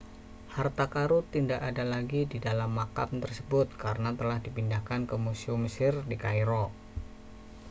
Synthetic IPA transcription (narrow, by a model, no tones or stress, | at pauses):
hart̪akaɾut̪indakadalaɡididalamːaka̰mt̪ərsəbʊt̪̚kaɾənat̪əlahdipindahkankəmuseumːəsɪrdikajɾɔ